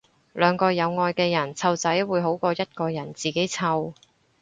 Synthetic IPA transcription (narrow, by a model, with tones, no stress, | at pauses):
lœː˨˧ŋkɔː˧jɐ˨˧wŋɔː˧jkɛː˧jɐ˨˩nt͡sʰɐ˧wt͡sɐ˨˥jwuː˨˧jɦo˨˥wkɔː˧jɐ˥t̚kɔː˧jɐ˨˩nt͡siː˨ke˨˥jt͡sʰɐ˧w